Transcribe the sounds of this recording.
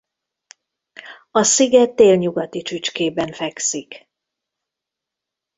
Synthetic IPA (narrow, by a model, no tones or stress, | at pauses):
ɒsiɡɛt̪ːeːlɲuɡɒt̪it͡ʃyt͡ʃkeːbɛɱfɛksik